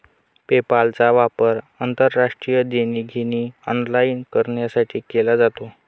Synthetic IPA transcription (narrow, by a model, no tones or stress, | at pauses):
pepalt͡saʋapəɾ | ənt̪əɾːaʂʈɾijəd̪eniːɡʱeñiːənlainkəɾɳjasaʈʰiːkelad͡zat̪o